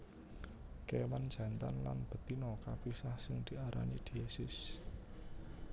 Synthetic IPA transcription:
kewan̥d͡ʒ̥ä̤nt̪anlanb̥ə̤t̪inokab̥isahsɪŋd̪̥i̤aɾʔa̰nid̪̥i̤ɛsɪs

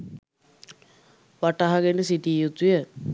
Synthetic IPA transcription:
ʋaʈaɦaɡenəsiʈiːjut̪ujə

